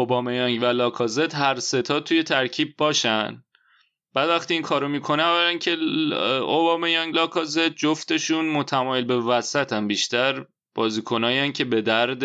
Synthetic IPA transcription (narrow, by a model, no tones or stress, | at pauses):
obɒːmejɒŋɟvælɒːkʰɒːzed̪̥ɦæɾse̞t̪ʰɒːd̪̚t̪ʰːuje̞t̪ʰæɾcʰiːb̚bɒːʃænd̪ | b̥æːd̪væxt̪iiːŋkʰɒːɾomiːkʰo̞neævælæncʰe̞ | obɒːmejɒŋɡlɒːkʰɒːze̞d̪̚d͡ʒoft̪e̞ʃunmot̪ʰæmɒːjelbe̞væsæt̪ʰæmbiʃt̪æɾ | b̥ɒːziːkʰo̞nɒːjæncʰe̞be̞d̪æɾd̪